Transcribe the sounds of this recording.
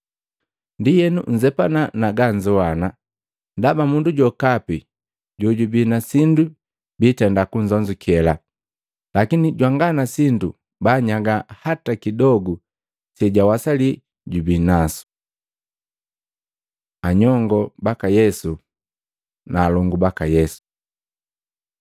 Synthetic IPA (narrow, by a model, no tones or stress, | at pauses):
ndijɛnuɲ̩d͡ʒɛpananaɡaɲd͡ʒɔwana | ndabamunduɟɔkapi | ɟɔɟubinasindu | bitɛndakuɲd͡ʒɔɲd͡ʒukɛla | lakiniɟwaŋɡanasindu | baɲaɡahatakidɔɡu | sɛɟawasali | ɟubinasu̥ | aɲɔŋɡɔbakajɛsu | naːlɔŋɡubakajɛsu̥